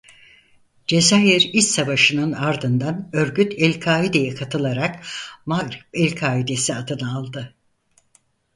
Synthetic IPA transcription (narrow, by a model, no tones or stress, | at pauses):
d͡ʒe̞zajiɾist̪savaʃɯnɯnaɾd̪ɯnd̪anø̞ɾɟyt̪ʰɛlʲkʰaːid̪e̞jɛkʰat̪ʰɯlˠaɾakmaɡɾɛpɛlʲkʰaːid̪e̞siat̪ɯnaːlˠd̪ɯ